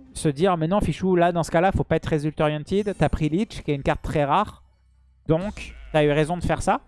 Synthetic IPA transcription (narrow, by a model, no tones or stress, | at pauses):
səd̪iʁmɛnɑ̃fiʃulad̪ɑ̃sə̥kalafopaɛt̪χʁezylt̪ɔʁjɑ̃t̪id̪t̪yapχilit͡ʃkʲiɛynkaʁt̪ːχɛʁaːʁ | d̪ɔ̃kt̪yayʁezɔ̃d̪əfɛʁsa